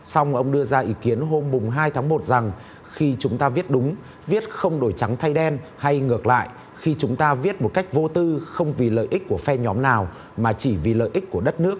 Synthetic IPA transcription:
sa˧wŋ͡mʔə˧wŋ͡mɗɨ˧əzaː˧ʔi˨˦ki˨˦ənɦo˧mːʊ˨˩ŋ͡mɦaː˧jt̪ʰaː˨˦ŋmo˨˩t̚za˨˩ŋ | xi˧t͡ɕʊ˨˦ŋ͡mt̪aː˧vi˦˥ət̚ɗʊ˨˦ŋ͡m | vi˦˥ət̚xə˧wŋ͡mɗo˧˩jt͡ɕa˨˦ŋt̪ʰa˧jɗɛ˧nha˧jŋɨ˨˩ək̚la̰ː˧˨jʔ | xi˧t͡ɕʊ˨˦ŋ͡mt̪aː˧vi˦˥ət̚mo˨˩t̚ka˦˥jk̟̚vo˧t̪ɨ˧xə˧wŋ͡mvi˨˩lə̰ː˧˨jʔi˦˥k̟̚ku˧˩əfɛ˧ɲɔ˨˦mnaː˨˩w | maː˨˩t͡ɕi˧˩vi˨˩lə̰ː˧˨jʔi˦˥k̚ku˧˩əɗə˦˥t̚nɨ˦˥ək̚

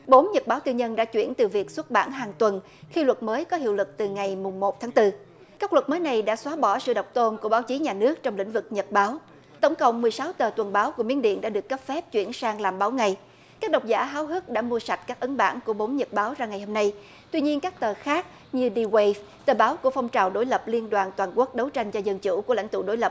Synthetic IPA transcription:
ɓo˨˦mɲə˨˩t̚ɓaː˨˦wt̪ɨ˧ɲə˧nɗa̰ː˧˥t͡ɕwi˧˩ənt̪ɨ˨˩vi˨˩ək̚swə˦˥t̚ɓa̰ː˧˩nɦaː˨˩ŋt̪wə˨˩n | xi˧lwə˨˩t̚məː˨˦jkɔ˨˦ɦḭ˧˨əwlɨ˨˩k̚t̪ɨ˨˩ŋa˨˩jmʊ˨˩ŋ͡mmo˨˩t̚t̪ʰaː˨˦ŋt̪ɨ˧ | kaː˦˥klwə˨˩t̚məː˨˦jna˨˩jɗa̰ː˧˥swaː˨˦ɓɔ˧˩sɨ̰˧˨ɗə˨˩wk͡p̚t̪o˧nku˧˩əɓaː˨˦wt͡ɕi˨˦ɲaː˨˩nɨ˦˥ək̚t͡ɕɔ˧wŋ͡mlḭ˧˥ŋ̟vɨ˨˩k̚ɲə˨˩t̚ɓaː˨˦w | k̪ə˧˩wŋ͡mkə̰˧˨wŋ͡mmɨ˨˩əjsaː˨˦wt̪əː˨˩t̪wə˨˩nɓaː˨˦wku˧˩əmḭ˨˧˥ənɗḭ˧˨ənɗa̰ː˧˥ɗɨ˨˩əkːə˦˥p̚fɛ˦˥p̚t͡ɕwḭ˧˩ənsaː˧ŋlaː˨˩mɓaː˨˦wŋa˨˩j | kaː˦˥k̚ɗə˨˩wk͡p̚za̰ː˧˥ɦaː˨˦wɦɨ˦˥k̚ɗa̰ː˧˥mu˧əsa˨˩t̚kaː˦˥k̚ʔə˨˦nɓa̰ː˧˩nku˧˩əɓo˨˦mɲə˨˩t̚ɓaː˨˦wzaː˧ŋa˨˩jho˧mna˧j | t̪wi˧ɲi˧ənkaː˦˥k̚t̪əː˨˩xaː˦˥k̚ | ɲɨ˧ɗi˧we˧v | t̪əː˨˩ɓaː˨˦wku˧˩əfɔ˧wŋ͡mt͡ɕaː˨˩wɗo˧˦jlə˨˩p̚li˧ənɗwaː˨˩nt̪waː˨˩nku˦˥ək̚ɗə˨˦wt͡ɕa˧jŋ̟t͡ɕɔ˧zə˧nt͡ɕṵ˧˥ku˧˩əla̰˧˩jŋ̟t̪ṵ˧˨ɗo˨˦jlə˨˩p̚

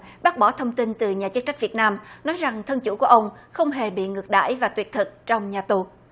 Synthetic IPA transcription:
ɓaː˦˥k̚ɓɔ˧˩t̪ʰə˧wŋ͡mt̪i˧nt̪ɨ˨˩ɲaː˨˩t͡ɕə˦˥t̚t͡ɕa˦˥k̚vi˨˩ət̚naː˧mnɔ˨˦jza˨˩ŋt̪ʰə˧nt͡ɕṵ˧˩ku˧˩əʔə˧wŋ͡mxə˧wŋ͡mɦe˨˩ɓḭ˧˨ŋɨ˨˩ək̚ɗa̰ː˧˨jvaː˨˩t̪wi˨˩ət̚t̪ʰɨ˨˩k̚t͡ɕɔ˧wŋ͡mɲaː˨˩t̪u˨˩

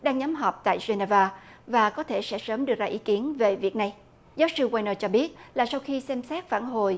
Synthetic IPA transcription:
ɗaː˧ŋɲa˨˦mɦɔ˨˩wk͡p̚t̪a̰ː˧˨jzwe˧na˧vaː˧vaː˨˩kɔ˨˦t̪ʰe˧˩sɛ̰˧˥səː˨˦mɗɨ˨˩ək̚zaː˧ʔi˨˦ki˨˦ənve˨˩vi˨˩ək̚na˨˩j | zaː˨˦wsɨ˧waː˧jnəː˧t͡ɕɔ˧ɓi˦˥ət̚laː˨˩sa˧wxi˧sɛ˧msɛ˦˥t̚faː˧˩nɦo˨˩j

